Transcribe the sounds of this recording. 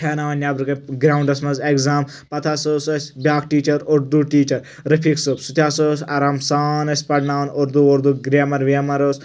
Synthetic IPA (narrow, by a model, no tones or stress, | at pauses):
kʰeːnaːʋɐnʲjaːbɾɨkɐɡɾaːwɳɖɐsmɐzekzaːm | pɐt̪ʰaːsoːsɐsʲbʲaːk̚ʈiːt͡ʃɐɾoɾd̪uʈiːt͡ʃɐɾ | ɾɐpʰiksupsut̪ʰʲaːsosaːɾaːmsaːnɐsʲpɐʈnaːʋɐnoɾd̪uoɾd̪uɡɾemɐɾʋiɐmɐɾos